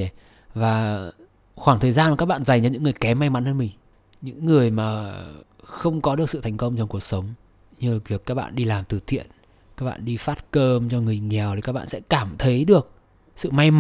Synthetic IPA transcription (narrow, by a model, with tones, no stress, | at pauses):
vaː˨˩ | xwaː˧˩ŋt̪ʰəː˨˩jzaː˧na˨˩aː˦˥ɓa̰ː˧˨nza˨˩jŋ̟t͡ɕa˧˩ɲɨ̰˧˥ŋːɨ˨˩əjkɛ˨˦ma˧jma˨˦nhəː˧nmï˨˩ŋ̟ | ɲɨ̰˧˥ŋːɨ˨˩əjmaː˨˩ | xə˧wŋ͡mkɔ˨˦ɨ˨˩əsɨ̰˧˨t̪ʰa˨˩jŋ̟kə˧wŋ͡mt͡ɕɔ˧ŋ͡mku˨˩ək̚sə˨˦wŋ͡m | ɲɨ˧˨˩kvi˨˩əkaː˦˥k̚ɓa̰ː˧˨nɗi˧laː˨˩mt̪ɨ˧˩t̪ʰḭ˧˨ən | kaː˦˥k̚ɓa̰ː˧˨ɗi˧faː˦˥t̚kəː˧mt͡ɕɔ˧ŋɨ˨˩ə˩jŋɛ˨˩wt̪i˨˩kaː˦˥ɓa̰ː˧˨sɛ̰˧˥kaː˧˩mt̪ʰə˨˦jɗɨ˨˩ək̚ | sɨ̰˧˨ma˧jm